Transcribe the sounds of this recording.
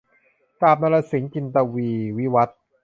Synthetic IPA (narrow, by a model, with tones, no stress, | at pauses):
kaː˨˩p̚na˧la˧si˨˩˦ŋt͡ɕi˧nt̪a˧wiː˧wi˦˥wa˦˥t̪̚